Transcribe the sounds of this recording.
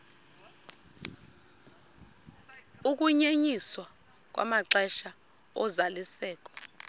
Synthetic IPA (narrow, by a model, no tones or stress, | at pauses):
uk̬ʼuɲeɲiswa | k̬ʼwa̰maǀɛʃa | ɔzalisɛːk̬ʼɔ̥